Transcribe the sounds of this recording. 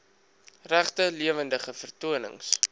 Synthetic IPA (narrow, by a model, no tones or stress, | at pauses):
ræχtəliəvəndəχəfərtuənə̰ŋs